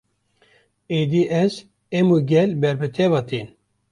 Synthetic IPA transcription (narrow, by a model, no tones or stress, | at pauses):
ed̪iʔɛz | emuɡɛlbɛɾbɨt̪ʰɛvɑt̪ʰin